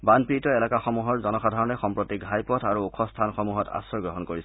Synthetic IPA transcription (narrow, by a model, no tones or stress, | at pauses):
banpitɔɛlakaxɔmuɦɔɹzɔnɔxadʱaɹɔnɛxɔmpɹotiɡʱajpɔtʰaɹuukʰɔstʰanxɔmuɦɔta̰sɔɹɡɹɔɦɔnkoɹis